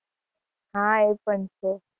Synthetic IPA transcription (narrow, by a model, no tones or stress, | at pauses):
ɦãepəɳt͡ʃʰe